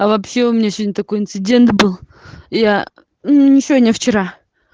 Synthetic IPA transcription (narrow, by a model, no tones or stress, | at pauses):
ɐvɐpɕe̞ʊmʲnʲasʲɵdʲnʲɪt̪ɐko̞jɪnt̪sɨdʲe̞nt̪bɨlˠ | ja | nʲɪt͡ɕɪonʲɛft͡ɕɪɾa